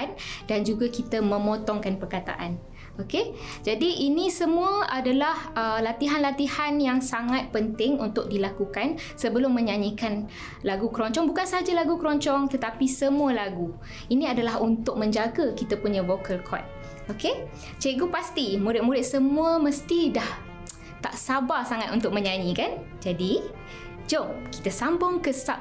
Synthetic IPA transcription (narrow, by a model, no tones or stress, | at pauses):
ndand͡ʒuɡakit̪əmə̃mot̪ɔŋkanpərkat̪a̰ʔan | oked͡ʒadiʔːnĩsəmũəʔadalahəlat̪iɦanlat̪ihanjaŋsaŋat̪̚pənt̪ɪŋunt̪ʊk̚dilakukan | səbəlʊmːə̃ɲaɲikan | laɡukəɾɔɲt͡ʃɔŋbukansəɦad͡ʒalaɡukəɾɔɲt͡ʃɔŋt̪ət̪apisəmuəlaɡu | inĩadalaɦunt̪ʊk̚mə̃ɲd͡ʒaɡakit̪apuɲãvokʰəlkʰɔ̰t̪̚ | oke | t͡ʃeɡupast̪imuɾɪt̪̚muɾɪt̪̚səmũəməst̪idah | t̪a̰ʔsabasaŋat̪unt̪ʊk̚mə̃ɲaɲĩkan | d͡ʒadi | d͡ʒomki̥t̪asambʊŋkəsa